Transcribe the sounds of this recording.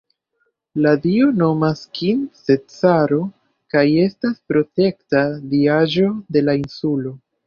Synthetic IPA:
ladio̞no̞maskinsetsaɾo̞ | kaje̞staspɾo̞te̞ktadiaʒo̞de̞lainsulo̞

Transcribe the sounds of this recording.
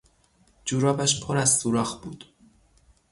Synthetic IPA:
d͡ʒuːɾɒːbæʃpʰoɾæzsuːɾɒːxbuːd̪̥

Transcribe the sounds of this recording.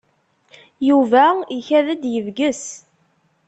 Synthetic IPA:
juvæiçæðæd̪jəvɡəs

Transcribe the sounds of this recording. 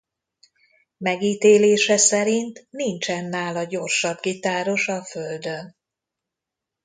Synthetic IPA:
mɛɡiːt̪eːleːʃɛsɛɾint̪nint͡ʃɛnːaːlɒɟo̞rʃɒbɡit̪aːɾo̞ʃɒføld̪ø̞n

